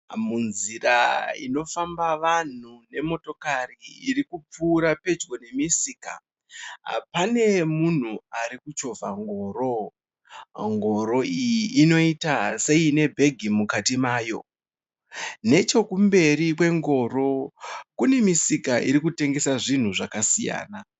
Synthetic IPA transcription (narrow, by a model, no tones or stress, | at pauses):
munziraḭno̞fambaʋan̤une̞mo̞to̞kariːrikup͡fuːɾape̞d͡ʒɡo̞ne̞misiːka̰ | pane̞mun̤uaɾikut͡ʃo̞vʱaŋɡo̞ːɾo̞ | ŋɡo̞ɾo̞ijiʔːno̞itase̞ine̞bʱe̞ɡʱimukatimaːjo̞̰ | ne̞t͡ʃo̞kumbe̞ɾikwe̞ŋɡo̞ɾo̞kune̞misikaʔiɾikute̞ŋɡe̞saʐin̤uʐakasija̰ːna